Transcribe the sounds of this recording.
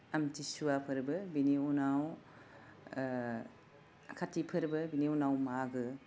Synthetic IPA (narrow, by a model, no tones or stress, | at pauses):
amtisuwapʰɯɾbɯbiniunaw | kʰatːipʰɯɾbɯbiniunawmaɡɯ